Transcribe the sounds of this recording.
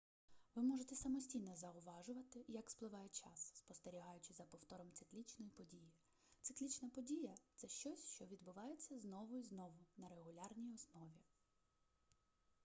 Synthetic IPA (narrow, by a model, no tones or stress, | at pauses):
ʋɪmɔʒet̪ɛsɐmɔsʲtʲijnɛzɐʊʋɑʒʊʋɐt̪ɪjɐksplˠɪʋɑjɛt͡ʃɑ̰sːpɔst̪e̞ɾʲiɦɑjʊt͡ʃɪzɐpɔwt̪ɔɾɔmt̪sɪklʲit͡ʃnɔjipɔdʲiji | t̪sɪklʲit͡ʃnɐpɔdʲijɐt̪sɛʃt͡ʃɔsʲʃt͡ʃɔʋʲid̪bʊʋɑjet͡sʲːɐznɔʋʊiznɔʋʊnɐɾe̞ɦʊlʲɑrnʲijɔsnɔʋʲi